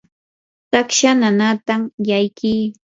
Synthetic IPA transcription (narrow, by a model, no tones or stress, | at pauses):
t̪akʃananat̪amjajkiː